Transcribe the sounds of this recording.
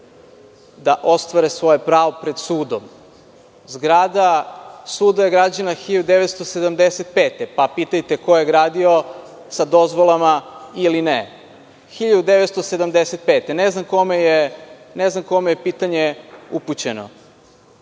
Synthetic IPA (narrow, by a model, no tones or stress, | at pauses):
d̪aʔo̞st̪ʋaɾesʋo̞jepɾaːʋopɾed̪suːd̪om | zɡɾad̪asuːd̪ajeɡɾad͡ʑanaxiʎad̪ud̪e̞ʋet̪st̪osed̪amd̪eset̪̚pe̞ːt̪epapit̪ajt̪eko̞jeɡɾaːd̪io̞ | sad̪o̞zʋo̞lˠamailine | xiʎad̪ud̪eʋe̞t̪st̪o̞se̞d̪amd̪eset̪̚pe̞ːt̪eneznamko̞mejeneznamko̞mejepiːt̪aɲeuput͡ɕeno̞̰